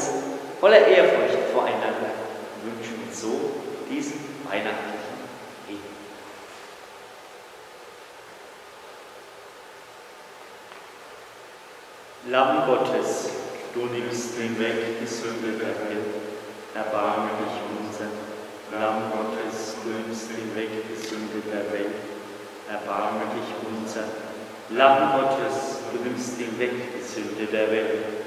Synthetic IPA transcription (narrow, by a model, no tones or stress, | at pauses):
s | fɔlɐʔeːɐfʊɐçtfoːɐʔa̰ɪnandɐvʏnʃn̩zoːd̥iːzn̩va̰ɪnaχtlɪçn̩veːɡ̚n̩ | lambɔtʰəsd̥unɪmsthɪnvɛkd̥izʏndəpʰɛɐvɛltʔɛɐbaɐmədɪçʔʊnzɐ | lambɔtʰəsd̥unɪmsthɪnvɛkd̥iːzʏndəpʰɛɐvɛlt | ʔɛɐbaɐmədɪçʔʊnzɐ | lambɔtʰəsd̥unɪmstɪnvɛkd̥izʏndədeːɐvɛltt